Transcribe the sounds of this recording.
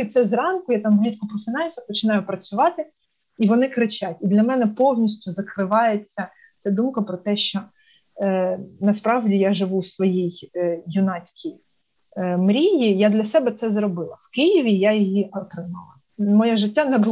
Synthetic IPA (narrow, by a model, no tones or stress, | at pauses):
it̪sɛzrɑnkʊjat̪ɑmblʲit̪ʲkɔpɾɔsɪnʲɑjʊsʲɐpɔt͡ʃɪnɑjʊpɾɐt͡sʲʊʋɑt̪ɪ | iʋɔnɪkɾɪt͡ʃʲatʲid̪lʲɐmɛnɛpɔwnʲisʲtʲʊzɐkɾɪʋɑjet͡sʲːɐ | t͡s̪ʲɛd̪umkɐpɾɔt̪ɛʃt͡ʃɔ | nɐspɾɑʋdʲijaʒɪʋusʋɔjijjʊnɑt͡sʲkʲʰij | mɾʲijijad̪lʲɐsɛbɛt̪sɛzrɔbɪlˠɐwkɪjiʋʲijajijiʔɔk̪ɾɪmɑ̰lˠɐ | mɔjɛʒɪtʲːanɛbʊl